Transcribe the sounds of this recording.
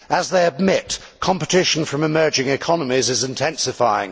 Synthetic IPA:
əzðeɪɨd̚mɪt | kʰɑ̃mpətʰɪʃə̃n̩fɹə̃mɨmɜ˞d͡ʒɪ̃ŋɪkʰɑnəmizɨzɨ̃ntʰɛ̃nsɨfaɪɪ̰̃ŋ

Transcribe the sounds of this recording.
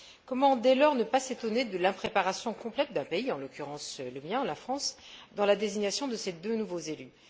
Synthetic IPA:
kɔmɑ̃d̪ɛlɔʁnəpaset̪ɔned̪əlɛ̃pχepaʁasjɔ̃kɔ̃plɛt̪̚d̪ɛ̃peiɑ̃lɔkʲyʁɑ̃sləmjɛ̃lafχɑ̃sd̪ɑ̃lad̪eziɲjasjɔ̃d̪əsed̪ønuvozely

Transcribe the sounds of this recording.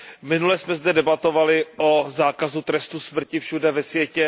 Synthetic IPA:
mɪnulɛsmɛzdɛdɛbat̪o̞valɪʔozaːkazut̪ɾɛst̪usmr̩cɪfʃudɛvɛsvjɛcɛ

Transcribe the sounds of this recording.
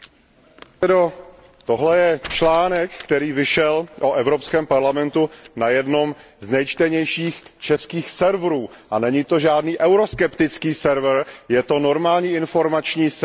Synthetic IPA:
ɛdo | t̪oɦlɛjɛt͡ʃlaːnɛkːt̪ɛɾiːvɪʃɛlʔoʔɛvɾopskɛːmpaɾlamɛnt̪unajɛdno̞m | znɛjt͡ʃt̪ɛɲɛjʃiːxt͡ʃɛskiːxsɛɾvɾuː | ʔanɛɲit̪o̞ʒaːdniːʔɛwɾo̞skɛpt̪ɪt͡skiːsɛɾvɾjɛt̪o̞no̞ɾmaːlɲiːɪnfo̞ɾmat͡ʃɲiːs

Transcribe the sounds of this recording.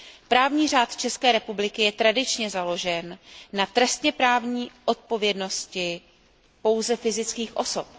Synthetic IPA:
pɾaːvɲiːr̝aːt̪t͡ʃɛskɛːɾɛpublɪkɪjɛt̪ɾadɪt͡ʃɲɛzalo̞ʒɛnːat̪ɾɛst̪ɲɛpɾaːvɲiːʔo̞t̪̚po̞vjɛdno̞scɪ | po̞wzɛfɪzɪt͡skiːxʔo̞so̞p̚

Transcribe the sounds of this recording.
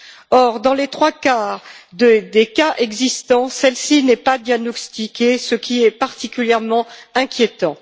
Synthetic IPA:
ɔʁd̪ɑ̃let̪χwakaʁd̪ed̪ekaʔɛɡzist̪ɑ̃sɛlsinɛpad̪janɔst̪ikʲesəkʲʰiɛpaʁt̪ikʲyljɛʁmɑ̃ɛ̃kʲʰjet̪ɑ̃

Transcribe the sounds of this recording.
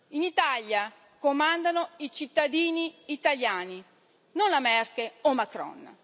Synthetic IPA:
init̪alja | komand̪anoit͡ʃit̪ːad̪iːniːt̪aljaːni | nonlamɛrkeɔmakɾɔ̰n

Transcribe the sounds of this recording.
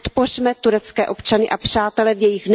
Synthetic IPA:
t̪po̞rmɛt̪uɾɛt͡skɛːʔo̞pt͡ʃanɪʔapr̥aːt̪ɛlɛvjɛjɪxn

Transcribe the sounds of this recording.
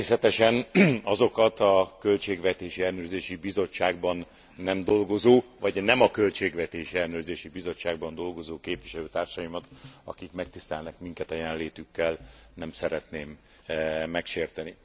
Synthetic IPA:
eːsɛt̪ɛʃɛnɒzo̞kɒt̪ɒkø̞lt͡ʃeːɡʋɛt̪eːʃiɛlnøːrzeːʃibizo̞t͡ʃːaːɡ̚bɒnː | ɛmd̪o̞lɡo̞zoːvɒɟnɛmɒkølt͡ʃeːɡʋɛt̪eːʃiɛlnøːrzeːʃibizo̞t͡ʃːaːɡbɒnd̪o̞lɡo̞zoːkeːpvʋiʃɛløːt̪aːrʃɒjimɒt̪ɒ̰kikmɛk̚t̪ist̪ɛlnɛkmiŋkɛt̪ɛjɛnleːt̪ykːɛlnɛmsɛɾɛt̪neːmː | ɛkʃeːrt̪ɛni

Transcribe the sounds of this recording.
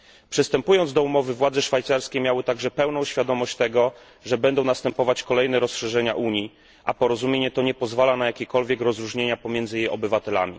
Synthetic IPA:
pʂɘst̪ɛmpujɔnd̪zd̪ɔumɔvɘvwad̪zɛʂfajt̪saɾskʲemjawɘt̪aɡʐɛpɛwnɔ̃w̃ɕfʲjad̪ɔmɔɕt͡ɕt̪ɛɡɔ | ʐɛbɛnd̪ɔ̃w̃nast̪ɛmpɔvat͡ɕkɔlɛjnɛɾɔsʂɛʐɛɲa̰ʔuɲi | ʔapɔɾɔzumʲjeɲɛt̪ɔɲɛpɔzvalanajakʲekɔlvʲjɛkɾɔzɾuʐɲeɲapɔmʲjɛnd̪zɘjejɔ̰bɘvat̪ɛla̰mʲḭ

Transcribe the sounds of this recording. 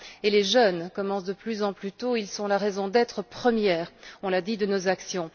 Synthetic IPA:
eleʒənkɔmɑ̃sd̪əplyzɑ̃plyt̪oilsɔ̃laʁɛzɔ̃d̪ɛt̪χəpχəmjɛːʁɔ̃lad̪id̪ənozaksjɔ̃

